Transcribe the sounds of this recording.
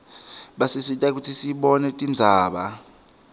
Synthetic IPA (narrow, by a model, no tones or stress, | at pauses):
ɓasisitʼak̬utʰisiɓɔnɛtʼind͡zʱaːɓa